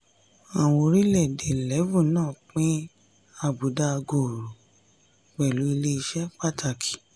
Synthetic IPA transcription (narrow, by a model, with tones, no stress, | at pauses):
a˨w̃õ˧ɾi˦lɛ˦˨de˨lɛ˨˦vũ˦˨nãː˦˨k͡pĩ˦ | a˧˨bu˨˦da˧ɡo˨ɾu˨ | k͡pɛ˨lu˨˦i˧le˦i˧ʃɛ˦k͡pa˦˨tʰa˧˨ki̥˨